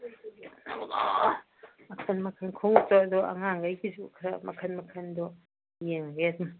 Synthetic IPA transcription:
mɐkʰɐnmɐkʰɐnkʰoŋ̚tɔdɔɐ̰ŋaŋɡajɡizukʰɾɐmɐkʰɐnmɐkʰɐndɔ | jeŋɾedum

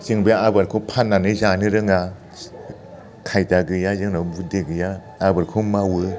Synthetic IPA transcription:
z̥ɯŋbɯabaɾkʰɯpʰanːanɯzanɯɾɯŋa | kʰajdaɡɯjazɯŋnabudeɡɯjaː | bɯɾkʰumawɯ

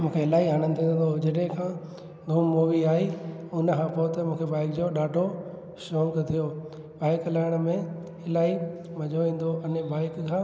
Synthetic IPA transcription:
mũːkʰeɦɪlaːiɦaːɽ̃ənɪ̆t̪ʰĩːnd̪od͡ʑɐɗɦẽkʰãː | d̪ʱũːmːoːʋiaːiʊnkʰãːpoʊt̪ɐmũːkʰebaːɪkd͡ʑoɗaːʈo | ʃõːŋkt̪ʰijo | baːɪklaːɪɽ̃mẽ | ɪlaːimɐʄʱoʋĩːn̆d̪oʔɐnəbaːɪkkʰãː

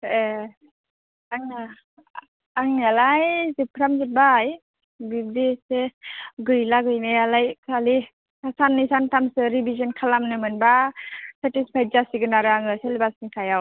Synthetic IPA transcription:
e | aŋa | aŋnalajzɯpʰɾamzɯt̚baj | bib̚diseɡɯjlaɡɯjnɯjalajkʰali | kasanːɯsantʰamsɯɾibʱizɔnkʰalamnɯmɯnbasatispʰaj̚zasiɡɯnaɾɯaŋɯselbasnikʰajaw

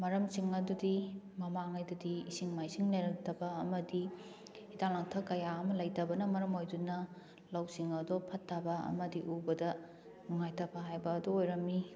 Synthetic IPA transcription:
mɐɾɐmsiŋɐdudi | mɐmaŋɐjdudiːsiŋmajsiŋneɾɐktɐbɐːmɐdi | itaŋnaŋtʰɐkɐjaɐmɐlɐjtɐbɐnɐmɐɾɐmojdunɐ | lawsiŋɐdopʰɐtʰːɐbɐɐ̰mɐdiʔubɐdɐ | nuŋajtʰɐbɐɦajbɐːdoojɾɐmi

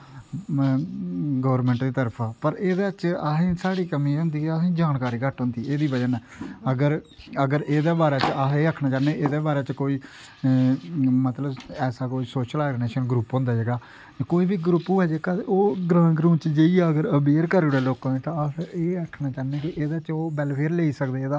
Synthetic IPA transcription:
ɡəːɾmɛ̃ːɳʈd̪iːt̪əɾpʰaːpəɾeːd̪aːt͡ʃasĩːsaːɽiːkəmiːʊ̃nd̪iːasĩːd͡ʒaːnkaːɾiːkəʈɦʊ̃nd̪iːeːd̪iːbəd͡ʒənːəɡəɾ | əɡəɾeːd̪eːbaːɾɛːt͡ʃaeːəkʰnaːt͡ʃaːnẽːʔeːd̪eːbaːɾɛːt͡ʃkoːiː | mət̪ləbɛːsaːkoːiːsoːʃəlɛːɡɖeneːʃənɡɾuːpɦõːnd̪aːd͡ʒeːɡaː | koːiːbiːɡɾupːuːɛːd͡ʒeːɡaːoːɡɾãːɡɾũːt͡ʃd͡ʒiaːəɡəɾəbeːɾkəɾeɽeːloːkãːẽːt̪ãəeːəkʰnaːt͡ʃaːneːkɪʔeːd̪aːt͡ʃoːbɛːlpʰeːɾleːiːsəkd̪eːeːd̪aː

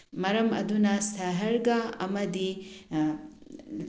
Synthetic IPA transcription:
mɐɾɐmɐ̰d̪unɐst̪ʰɐɦɐɾɡaɐmɐd̪i

